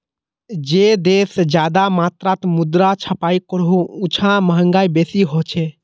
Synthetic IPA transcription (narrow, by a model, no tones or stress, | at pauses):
d͡ʒeːd̪eːsd͡ʒjaːd̪amaːt̪ɾaːt̪mʊd̪ɾat͡ʃʰəpaːikəɾɦõʊt͡ʃʰãməɦə̃ŋɡaːibeːsiɦot͡ʃʰe